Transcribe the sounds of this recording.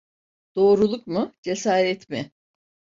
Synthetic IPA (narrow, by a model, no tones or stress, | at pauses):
d̪̥o̞ːɾulˠukmʊd͡ʒe̞saːɾɛt̪mɪ